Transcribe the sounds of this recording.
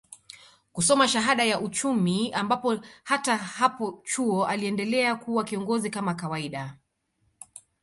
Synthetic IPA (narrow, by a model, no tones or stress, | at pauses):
kusɔmaʃaɦaɗajaʔut͡ʃumiambapɔhatahapɔt͡ʃuɔʔaliɛndɛlɛakuwakiɔŋɡɔzikamakawaiɗa